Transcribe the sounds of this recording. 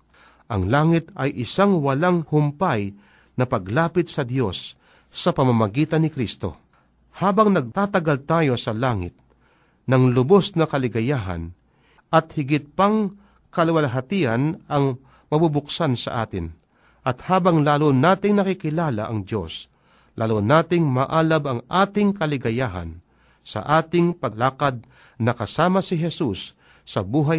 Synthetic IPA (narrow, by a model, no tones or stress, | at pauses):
ʔɐŋlaːŋɪt̪ɐjʔɪsaŋwɐlaŋhʊmpaj | nɐpɐɡlaːpɪt̪̚sɐd̪jo̞sː | ɐpɐmamɐɡiːt̪ɐnːɪkɾist̪o̞̰ | haːbɐŋnɐɡ̚t̪aːt̪ɐɡalt̪aːjo̞sɐlaːŋɪ̰t̪̚ | nɐŋlʊbosnɐkɐlɪɡɐjaːɦɐ̰n | ʔɐt̪hɪɡɪt̪̚pɐŋ | kɐlwɐlɦɐt̪iʔɐnɐŋ | mɐbubʊksansɐ̰ʔa̰ːt̪ɪ̰n | ʔɐt̪̚haːbɐŋlaːlonaːt̪ɪŋnɐkɪkɪlaːla̰ʔɐ̰ŋd̪jo̞̰s | lʔaːlonaːt̪ɪŋmaʔaːlabɐŋʔaːt̪ɪŋkɐlɪɡɐjaːɦɐ̰n | sɐ̰ʔaːt̪ɪŋpɐlaːkɐd̪̚ | nɐkɐsaːmɐsɪɦɛsusː | ɐbuːɦa